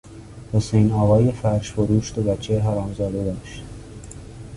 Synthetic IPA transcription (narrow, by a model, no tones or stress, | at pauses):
hosejnɒːvɒːjefæɾʃfoɾuːʃt̪obætt͡ʃʰːeɦæɾɒːmzɒːd̪ed̪ɒːʃt̪